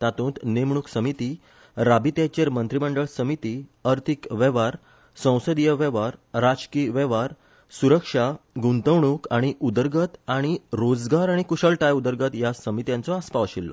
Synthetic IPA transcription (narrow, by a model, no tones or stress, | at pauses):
t̪at̪ũːnt̪nemɳ̃uksəmit̪i | ɾabit̪jat͡ɕeɾmənt̪ɾiməɳɖəɭsəmit̪iːəɾt̪ʰikʋɛʋaɾ | sə̃w̃səd̪ijəʋɛʋaɾːad͡zkiːʋɛʋaɾ | suɾəkʂaɡũnt̪əʋɳuːkaɽ̃iʔud̪əɾɡət̪aɽ̃iɾod͡zɡaɾaɽ̃ikuɕəɭʈajud̪əɾɡət̪jasəmit̪jãnt͡sɔaspaʋəɕilːɔ̰